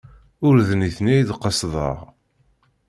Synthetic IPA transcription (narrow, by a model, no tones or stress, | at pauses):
ʊɾðəniθniæjd̪qːəsðˤə̰ʁ